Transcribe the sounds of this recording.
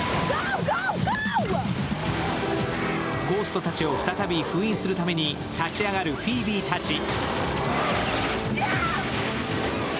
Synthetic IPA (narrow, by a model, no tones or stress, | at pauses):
ɡ̥o̞ːsɨ̥t̪o̞t̪at͡ɕio̞ɸɯ̟t̪at̪abʲiɸɯ̟ĩsɨɾɯ̟t̪ame̞ɲ̟i | t̪at͡ɕiaɡaɾɯ̟ɸʲiːbʲiːt̪at͡ɕi